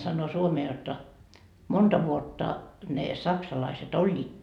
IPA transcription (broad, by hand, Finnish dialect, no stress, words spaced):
sɑnːoː suomeː jotːɑ montɑ ʋuotːɑ ne sɑksɑlɑiset olʲːiːt